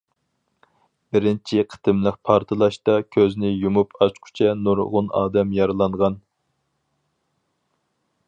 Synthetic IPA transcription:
bɪɾɪnt͡ʃʰiqʰə̥t̪ʰɨmləq̚pʰɑɾt̪ʰɨlˠɑʃt̪ɑkʲʰøznɪjumupʰɑt͡ʃqʰʊ̥t͡ʃʰɛnuɾʁʊnɑ̰ːd̪ɛmjɑɾɨlˠɑɴʁɑn

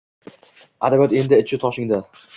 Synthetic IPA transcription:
ʔa̰d̪abat̪end̪ɪɪt͡ʃʰɪt̪ʰɒʃɪŋd̪a

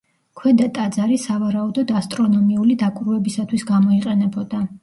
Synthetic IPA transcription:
kʰwɛd̪at̪ʼad̪zaɾisavaɾaud̪ɔd̪ast̪ʼɾɔnɔmiulid̪akʼɾuɛbisat̪ʰwisɡamɔiqʼɛnɛbɔd̪a

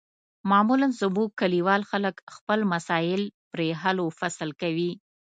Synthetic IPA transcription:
mɑmulansʊbukːaliwɑlxaləkxpəlmasɑjɪlpɾeɦalofaslkawi

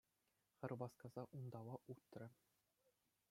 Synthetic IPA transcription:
χʲɘ̆rʲbɑskɑz̥ɑʔund̪ɑwɑʔut̪ːrʲɘ̆

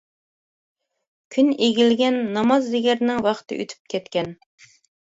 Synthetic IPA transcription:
kʲʰyneɡʲilɡʲɛnːɑmɑzːeɡʲæɾnɪŋwɑχt̪ʰɨ̰ʔø̰t̪ʰy̥p̚kʲʰɛt̪kʲʰɛn

